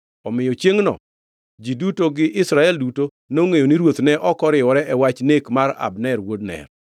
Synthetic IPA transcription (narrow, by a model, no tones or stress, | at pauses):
ɔmɪjɔt͡ʃjeŋnɔ̰ | d͡ʒidutoɡɪʔɪsɾaɛlduto | noŋejoniɾwot̪nɛʔɔkɔɾɪɔɾɛʔɛwat͡ʃnekmaɾa̰bnɛɾwodnɛ̰r